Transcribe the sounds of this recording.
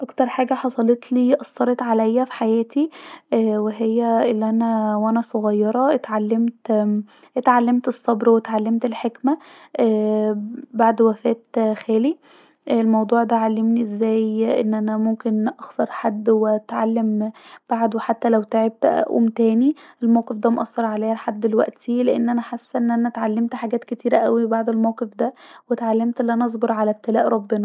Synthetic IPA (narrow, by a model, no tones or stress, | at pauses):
ʔækt̪ɑɾˤħaːɡæħɑsˤɑlet̪ˤliːʔɑsˤːɑɾˤet̪ʕalæjːæfi̥ħajæːt̪iː | weɦejːæelːiʔænæwʔænæsˤoɣɑjːɑɾˤɑʔt̪ʕalːemt̪ | t̪ʕalːemt̪esˤːɑbɾwet̪ʕalːemt̪elħekmæ | ʔː | baʕd̪wæfæːt̪xæːli | lmɑwd̪ˤuːʕd̪æʕalːemniʔezːæːjʔenːʔænæmomkenʔɑxsˤɑɾˤħad̪ːwet̪ʕalːemb̥aʕd̪weħat̪ːælæwt̪eʕeb̚t̪ʔæ̰ʔṵːmt̪æːniʔelmæwqefd̪æmoʔɑsˤːɑɾˤʕalæːhæħad̪ːelwæ̰ʔt̪ʰileʔenːʔænæħasːʔenːʔænæt̪ʕalːemt̪ħaɡæːt̪ket̪iːɾæʔæwibaʕd̪elmæwqefd̪æwet̪ʕalːemt̪ʔelːiʔænæʔɑzˤboɾˤʕalæb̚t̪elæ̰ːʔɾˤɑbːenɑ